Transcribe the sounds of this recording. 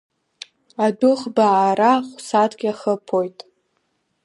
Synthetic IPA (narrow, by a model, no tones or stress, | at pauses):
adʊχbaːɾaχʷsatʰʼɡʲaχəpʰo̞jtʼ